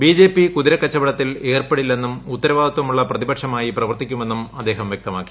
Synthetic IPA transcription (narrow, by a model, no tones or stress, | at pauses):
biːd͡ʑeːpːikuðiɾɐkːɐt͡ɕːɐbɐɽɐt̪ːile̞ːrpɐɽilːe̞nːumut̪ːɐɾɐʋaːd̪ɐt̪wɐmuɭːɐprɐðibɐʈʂɐmaːjiprɐʋɐrt̪ikʲːume̞nːumɐd̪ːe̞ːɦɐmʋjek̚t̪ɐmaːkːi̥